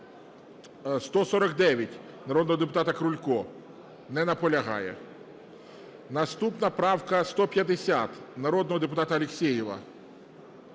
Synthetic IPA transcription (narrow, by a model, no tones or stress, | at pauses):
st̪ɔsɔɾɔkd̪ɛʋʲjɐtʲ | nɐɾɔd̪nɔɦɔd̪ep̬ʊt̪ɑt̪ɐkɾʊlʲkɔ | nɛnɐpɔlʲɐɦɑ̰jɛ̰ | nɐst̪upnɐpɾɑwkɐst̪ɔpʲjɐd̪esʲat̪nɐɾɔd̪nɔɦɔd̪ep̬ʊt̪ɑt̪ɐɐlʲeksʲejɪʋɐ̰